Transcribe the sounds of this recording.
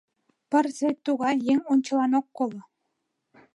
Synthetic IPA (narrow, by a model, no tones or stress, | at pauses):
pɘ̆rzet̪uɣɑjeŋunʲt͡ɕɤ̆lˠɑnokːolˠɤ̆